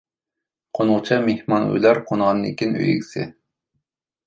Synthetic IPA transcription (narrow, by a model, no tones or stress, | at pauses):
qʰonʁt͡ʃʰɑmehmɑnṵjlˠɑɾqʰonʁɑnːɪkʲinø̰jḭkʲsɪ̰